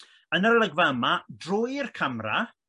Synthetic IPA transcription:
ənərlˠəɡvaəmadroːjɪrkʰamra̰

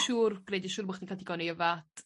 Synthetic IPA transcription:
ʃuːrɡ̥rejdəʃuːɾmɔχtinkʰatʰiɡɔniəvat

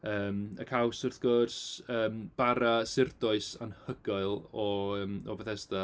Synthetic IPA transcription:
əːməkʰawsʊrθɡ̥oːrsəːmb̥aɾasɪrdɔɨsanhəɡaɨlˠɔəːmɔvɛθɛsda

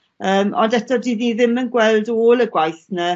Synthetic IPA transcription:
əːmɔ̰ndɛtʰɔdiðniðɪmənɡwɛlˠdoːlˠəɡwajθnə

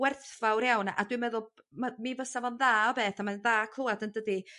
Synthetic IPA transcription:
wɛrθvawɾjawnʔa̰dwɨmɛðʊlˠ | mamivəsavɔnðaːɔbeːθamanðaːkʰl̥ˠoːadəndədi

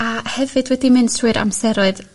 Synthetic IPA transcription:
ahɛvɨdwɛdimɨnsrɨɾʔa̰msɛɾɔɨð

